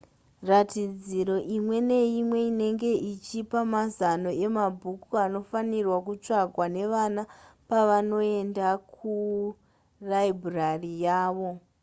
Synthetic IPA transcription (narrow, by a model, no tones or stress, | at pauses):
ratid͡ziɾo̞ʔimwe̞ne̞imwe̞ine̞ŋɡe̞ʔit͡ʃipamazano̞e̞mabʱukuano̞fanirwakut͡ʂaɡʱwane̞ʋanapaʋano̞e̞ndakʰu | raibʱurarijaːʋo̞